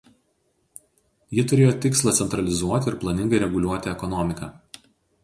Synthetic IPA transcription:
jɪt̪ʊɾʲeːjoːt̪ʲɪkslˠɐt̪sʲɛnt̪ɾɐlʲɪzuɔt̪ʲɪɪɾplˠɐnʲɪŋɡɐɪɾʲɛɡʊlʲuɔt̪ʲɪɛkɔnɔmʲɪkɐː

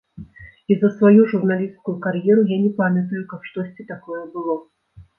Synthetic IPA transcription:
izəsvɐjuʐurnalʲist̪kʊjʊkɐɾʲjɛɾʊjanʲɪpamʲət̪̬əjʊkakʂt̪osʲtʲɪt̪ɐkojɛbɨlˠo

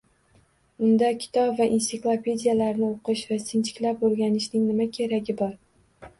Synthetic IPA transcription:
ʊnd̪akʲʰɪ̥t̪ʰɒpvaʔinsɪklˠapʰʲe̞d̪ʲijalaɾnɪoqʰɨʃvasɪnt͡ʃʰɪ̥kʲlapoɾɡʲanɪʃnɪŋnɪmakʲʰe̞ɾaɡʲɪbɒɾ

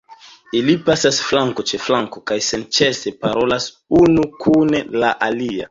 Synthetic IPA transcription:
ilipasasflaŋko̞t͡ʃe̞flaŋko̞kajse̞nt͡ʃe̞se̞paɾo̞las | unukʰunelaʔalia̰

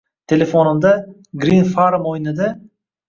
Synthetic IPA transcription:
t̪ʰe̞lefonɪmd̪a | ɡɾinfaɾmojnɪd̪a

